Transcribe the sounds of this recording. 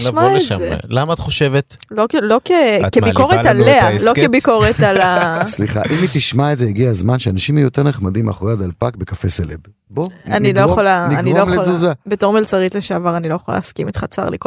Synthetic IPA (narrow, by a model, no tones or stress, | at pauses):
maezḛlamaaːt̪χoʃevet̪ | lolo̞kekeikoʁealealokebiko̞ʁet̪alasliχa̰ʔimit̪iʃmaetzejeɡiazmanʃeanaʃimhejoteʁneχmad̪ima̰χoejad̪alpakbekafeseleb | boanilojeχolaniːnilomlezuzabeto̞ʁmelt͡saʁitleʃaːvaʁanilo̞jeχola̰lḛːskimet̪χat͡sa̰ʁlḭk